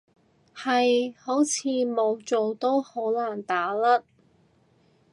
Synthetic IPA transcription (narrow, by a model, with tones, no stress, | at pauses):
hɐ˨jho˨˥wt͡sʰiː˨˧mo˨˧wt͡so˨wt̪o˥who˨˥wlaː˨˩nt̪aː˨˥lɐ˥t̚